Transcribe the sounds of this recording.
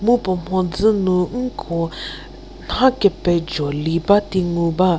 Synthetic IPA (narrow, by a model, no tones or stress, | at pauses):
mupɔm̥ɔ̃d͡zɨnũŋ̩kʰɔ | nãkɛpɛd͡ʒɔlibat̪iŋuba